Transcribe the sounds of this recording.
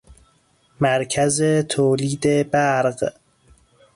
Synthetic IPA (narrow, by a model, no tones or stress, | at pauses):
mæɾcʰæzet̪ʰoːliːd̪ebæɾɢ